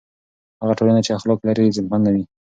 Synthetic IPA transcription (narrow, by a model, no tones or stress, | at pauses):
haɣaʈolanat͡ʃeaxloklaɾizɪmhand̪awi